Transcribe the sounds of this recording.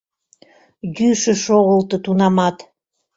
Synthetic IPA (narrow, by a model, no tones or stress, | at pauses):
ɡyʃə̆ʃoʁəlt̪ɤ̆t̪unɑmɑt̪